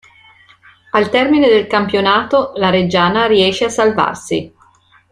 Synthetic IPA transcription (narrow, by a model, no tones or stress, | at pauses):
alt̪ɛrmined̪elkampjonaːt̪olaɾed͡ʒaːnaɾiɛːʃːeasːalva̰rsḭ